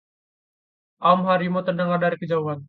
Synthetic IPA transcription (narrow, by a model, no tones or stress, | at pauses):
ʔamɦaɾimot̪ərnəŋardaɾikəd͡ʒauɦan